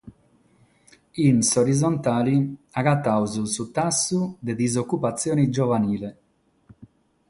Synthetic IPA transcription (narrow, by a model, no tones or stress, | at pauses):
insoɾidzont̪aːliaɡat̪ːawzusut̪asːud̪ed̪izokːupat̪sːjɔːnid͡ʒɔvaniːlɛ